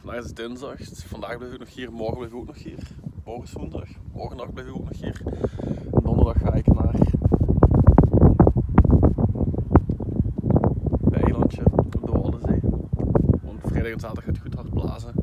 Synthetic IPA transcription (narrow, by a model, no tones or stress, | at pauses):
ɑndaːxɪzdɪnzdɑxvɑndaːɣblɛjɪkoknɔxɦiːrmɔrɣəblɛjvɪkoknɔxɦiːrmoːɣəsunzdɑxmɔrɣəndɑxblɛjvɪkok̚nɔxɦiːr | ndɔndərdɑxːaːɪknaːr | bɛ̰jlɑntəɔb̚dəʋɑ̰lˠəzeː | ʋɑntfrɛjdɑːxɛnz̥aːtdɑχxaːtxuthɑrt̚bla̰ːzə